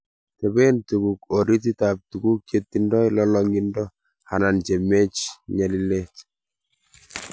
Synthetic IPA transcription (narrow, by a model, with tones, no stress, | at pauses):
tɛ˨bɛ˦ntu˨ku˨ko˨ɾi˦t̬i˦ta˨p̚tu˨ɡu˦kje˦t̪ːi˨ndɔ˦jlɔlɔŋɡi˦ndɔ˦ | ha˨na˨nt͡ʃɛ˨me˦t͡ʃɲa˨li˦le˦t